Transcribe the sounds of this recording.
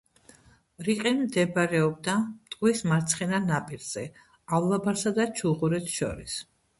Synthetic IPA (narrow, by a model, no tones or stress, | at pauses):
ɾiqʼɛnmd̪ɛbɾɛɔb̚d̪amt̪ʼqʼwismaɾt̪sʰχɛnanapʼiɾz̥ɛ | avlabaɾsad̪at͡ʃʰuʁuɾɛt̪ʰʃɔ̰ɾis